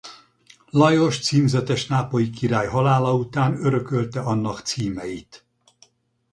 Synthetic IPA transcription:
lɒjo̞ʃt̪siːmzɛt̪ɛʃnaːpo̞jikiɾaːjɦɒlaːlɒut̪aːnøɾø̞kølt̪ɛɒnːɒkt̪siːmɛjit̪

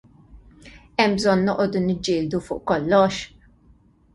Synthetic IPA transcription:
ɛmbzɔnːɔʔɔːd̪unɪd͡ʒːɪːld̪ufʊ̰ːʔkɔlːɔʃ

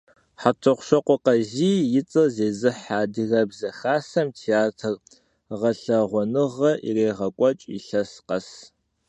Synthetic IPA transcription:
ħatʰɨqʷʃɐqʷɔqɐʑiːjɪt͡sʼɐzeːzɨħaːdɨɣɐbzɐxaːsɐmtʰeaːtʰɨr | ʁɐɬɐʁʷɔnɨʁɐʔḭreːʁɐkʷʼɔt͡ʃʼḭɬɐsqɐs

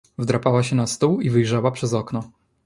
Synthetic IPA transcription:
vd̪ɾapawaɕɛnast̪uwivɘjʐawapʂɛzɔknɔ

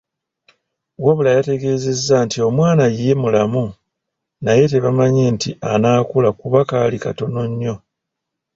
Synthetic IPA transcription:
woβulajate̞ɡe̞ːze̞zːantio̞mwaːnajijemulamu | naje̞te̞βamaɲentianaːkulakuβakaːlika̰to̞no̞ɲːo̞

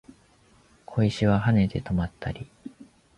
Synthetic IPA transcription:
kʰo̞iɕiβaɦane̞d̪e̞t̪o̞mat̪ʰːaɾʲi

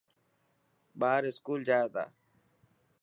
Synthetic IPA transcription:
ɓaːɾɪskuːld͡ʒaːjeːt̪a̰ː

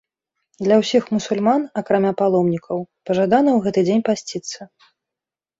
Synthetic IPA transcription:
d̪lʲɐwsʲixmusulʲmanɐkɾamʲapalˠɔmnʲikɐwpɐʐad̪anɐwɣɛt̪ɨd͡zʲenʲpasʲt͡sʲit̪sːɐ

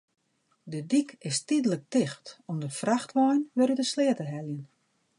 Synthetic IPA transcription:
dədikʰɪstidələk̚tɪxtɔmdəfraxtʋɔjnʋɛɾytəslɪətəɦɛljən

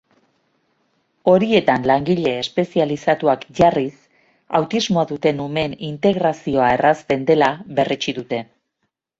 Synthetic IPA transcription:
o̞ɾie̞t̪anlaŋɡiʎe̞ːspe̞sialisat̪uakʝaris | awt̪izmoaðut̪e̞nume̞nint̪e̞ɣɾasio̞ae̞rast̪e̞nd̪e̞laβe̞rʔet͡ʃiðut̪e̞

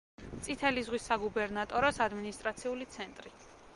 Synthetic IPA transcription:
t̪sʼit̪ʰɛlizʁwisːaɡubɛɾnat̪ʼɔɾɔsad̪minist̪ʼɾat̪sʰiulit̪sʰɛnt̪ʼɾi

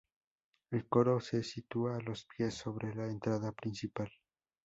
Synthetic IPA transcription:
elkoɾosesit̪uaːlospjesːoβɾelaent̪ɾaðapɾinsipal

